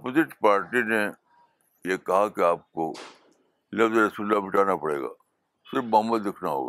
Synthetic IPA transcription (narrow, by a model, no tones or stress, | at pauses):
pozɪʈpaːɾʈine | jekɐɦakeaːp̚ko̰ | lɐfzɾɐsuːləlːabɪʈaːnapɐɽḛːɡa̰ː | sɪɾfmʊɦəmːəd̪ːɪkʰnaɦo̰ːɡa̰ː